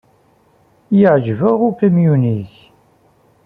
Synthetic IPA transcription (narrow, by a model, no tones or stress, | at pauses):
jəʕʒvəʁʊkəmjuniç